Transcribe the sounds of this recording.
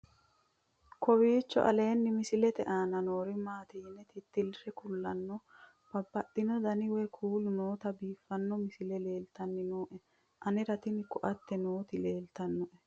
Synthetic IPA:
kʰɔwiːt͡ʃːɔ̰ʔɐ̰le̞ːnːɪmɪsɪlɛt̪ɛʔaːnɐnoːɾɪmaːt̪iːnːɛt̪ɪt̪ːɪlɾɛkʊlːɐnːɔ | b̥ɐbːɐɗɪnɔd̪ɐnɪwɛkʰuːlnoːt̪ɐbiːfːɐnːɔmɪsɪlɛle̞ːlt̪ɐnːɪnoːʔɛ | ʔɐnɪɾɐt̪ɪnɪkɔʔɐt̪ːɛnoːt̪ɪle̞ːlt̪ɐnːɔʔɛ

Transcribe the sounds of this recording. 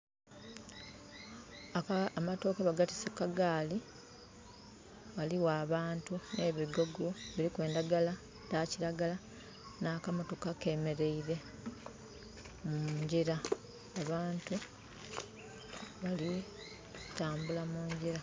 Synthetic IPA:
amato̞keβaɡati̥sekːaɡaːli | waliwaːβaːntune̞ːβiɡo̞ɡoβiɾikwe̞ːndaɡala | taciɾaɡala | naːkamo̞to̞kake̞me̞ɾe̞iɾe̞ | muɲɟiɾa | aβaːntu | βali | taːmbulamuːɲɟiɾa

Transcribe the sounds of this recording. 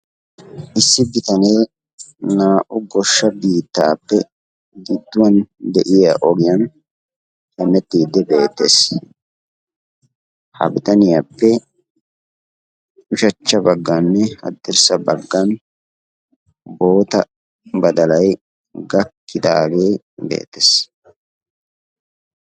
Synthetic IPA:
ʔɪsːɪbɪt̪ɐneː | naːʔʊɡɔʃːɐbiːt̪ːaːpːɛ | ɡɪd̪ːʊwɐnd̪ɛʔɪjaʔɔɡɪjɐn | hɛnːɛt̪ːiːd̪ːɛbe̞ːt̪ːeːs | hɐ̰bɪt̪ɐnɪjapːɛ | ʊʃɐt͡ʃːɐbɐɡːanːɛhɐ̰d̪ːɪɾsɐbɐɡːɐn | bo̞ːt̪ɐ | bɐd̪ɐlɐj | ɡɐkːɪd̪aːɡe̞ː | be̞̰ːt̪ːes

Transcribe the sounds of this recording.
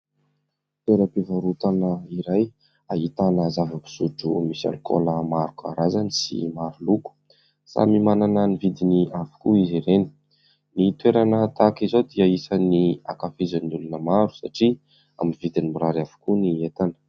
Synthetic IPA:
t̪weɾəpivaɾut̪anəiɾaj | aɦit̪anəzavəbi̥suʈ͡ʂumisa̰luko̰ləmaɾukaɾazanisḭmaɾuluku̥ | sa̰mimananənivid̪iniavu̥kuiziɾeni̥ | nit̪weɾanət̪akizod̪iəisənia̰kafizanulunəmaɾu̥saʈ͡ʂi | a̰mivid̪inimiɾaɾavu̥kuniet̪anə̥

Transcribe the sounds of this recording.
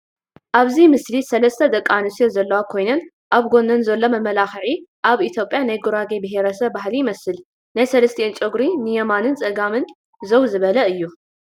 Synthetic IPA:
ʔaβzimɨslisɐlɐst̪ʰɐd̪ɐkʼːanɨsijozɐlːɐwakʰo̞jnɐn | ʔaβɡo̞nɐnzɐlːo̞mɐmɐlaxɨʕiʔaβit̪ʰjo̞pʼjanajɡuɾaɡebɨɦeɾɐsɐβbaɦlijmɐsɨl | najsɐlɐst̪ʰent͡ʃʼɨɡɾinɨjɛmanɨnt͡sʼɐɡamɨn | zɐwzɨβɐlɐɨjːu

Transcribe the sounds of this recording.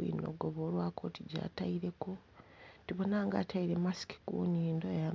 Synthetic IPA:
ḭːno̞̰ɡoβo̞ːlwaːkoːtiɟa̰ːtaiɾe̞ko̞ | tiβo̞naːŋɡaːtʰaiɾemasi̥ki̥kṵniːndoja

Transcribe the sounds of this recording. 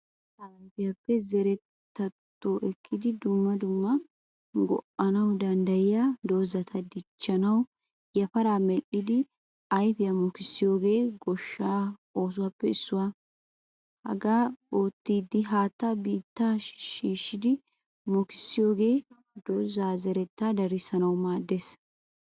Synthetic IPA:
tɐmpɪjɐpːɛzɛɾɛt̪ːɐt̪ːoːʔɛkʰːɪd̪ɪd̪ʊmːɐd̪ʊmːɐ | ɡɔ̰ʔɐnɐwd̪ɐnd̪ɐjɪjad̪o̞ːzɐt̪ʰɐd̪ɪt͡ʃːɐnɐw | jɐfɐɾaːmɛlʔɪd̪ɪ | ɐjfɪjɐmɔkɪsːɪjo̞ːɡe̞ːɡɔʃːaːoːs̬ʊwaːpːɛɪsːʊwaː | hɐ̰ɡaːoːt̪ːiːd̪ɪɦaːt̪ːabiːt̪ːaːʃiːʃːɪd̪ɪ | mɔkɪ̥sːɪjo̞ːɡe̞ː | d̪oːzaːzɛɾɛt̪ːaːd̪ɐɾɪsɐnɐwmaːd̪ːe̞s

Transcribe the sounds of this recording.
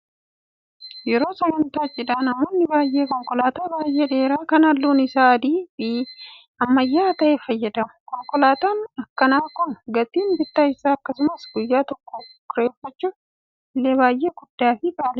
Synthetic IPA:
jɛɾo̞ːsɛɡɐnt̪aːt͡ʃʼːɪd̪aːnɐmonːɪbaːjʔe̞ːkɔŋkɔlaːt̪aːbaːjʔeːᶑe̞ːɾaːkɐnɐlːuːnɪsaːd̪iːbi | ɐmːɐjːaːt̪ɐʔeːfɐjːɐd̪ɐmʊkɔŋkɔlaːt̪aːnɐkːɐnaːkʊnɡɐt̪iːnbɪt̪ːaːɪsaːɐkːɐsʊmɐsɡ̥ʊjːaːt̪ɔkːoːkʊɾeːfɐt͡ʃːʊ | lːebaːjʔe̞ːɡʊd̪ːaːfɪkʼaːlɛ

